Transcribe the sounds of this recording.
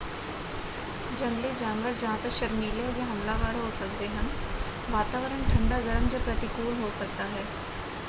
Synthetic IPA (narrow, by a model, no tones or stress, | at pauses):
d͡ʒɐnled͡ʒaːnʋəɾd͡ʒɐɦãt̪əkʃəɾmiːled͡ʒeɦɐmlaːʋaːɾɦoːsək̚d̪eɦɐn | ʋaːt̪aːʋəɾənʈʰɐ̃ɳɖaɡəɾəmd͡ʒəpɾət̪ɪkuːlɦoːsək̚t̪aɦɛː